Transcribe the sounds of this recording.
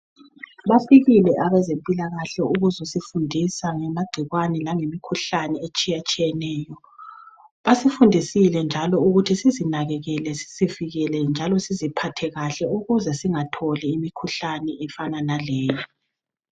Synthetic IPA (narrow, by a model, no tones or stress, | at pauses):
βafiɣilɛʔaβɛzempʼilaɣaɬɛuɣuzusifundʱisaŋɛmaɡ͡ǀʱiɣwanɛlaŋemikʰuɬanɛet͡ʃʼijat͡ʃʼijɛnɛːjɔ | βasifundʱisilɛnd͡ʒʱalɔuɣutʰisizinaɣɛɣɛlɛsi̥ziviɣɛlɛnd͡ʒʱalɔsizipʰatʰɛɣaɬɛuɣuzɛsiŋatʰɔliːmikʰuɬanɛʔɛfananalɛːjɔ